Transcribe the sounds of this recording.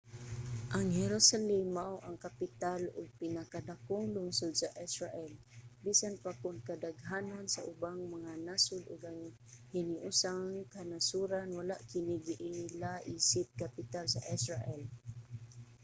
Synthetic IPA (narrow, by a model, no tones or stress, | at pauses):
ʔaŋhɛɾosalɛmːaʔuʔaŋkapɪt̪alʊɡ̚pɪnakad̪akʊŋlʊŋsʊd̪̚saʔisɹaʔɛl | bisanpakʊnkadaɡɦanonsaʔʊbaŋmaŋanasʊd̪ʊɡaŋ | hɪniʔʊsaŋkanasuɾanwalaʔkɪniɡiʔilaʔisɪt̪̚kapɪt̪alsaʔisɹaʔɛl